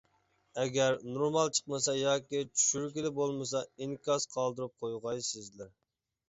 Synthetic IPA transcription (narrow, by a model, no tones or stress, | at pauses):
ɛɡʲæɾnoɾmɑlˠt͡ʃʰə̥qməsɑjɑːkʲit͡ʃʰy̥ʃyɾɡʲilɪbolˠmɨsɑiŋkʲɑsqʰɑlˠd̪ɨɾɨp̚qʰojʁɑjsɪzlɪɾ